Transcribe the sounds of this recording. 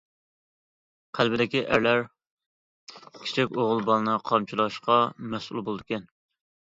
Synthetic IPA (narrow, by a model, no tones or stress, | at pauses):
qʰælbɪd̪ɪkʲiʔæɾlæɾ | kʲʰi̥t͡ʃʰikʲoʁʊlˠbɑlˠɨnɨqʰɑmt͡ʃʰilˠɑʃqɑmɛsṵlˠbolˠd̪ɨkʲɛn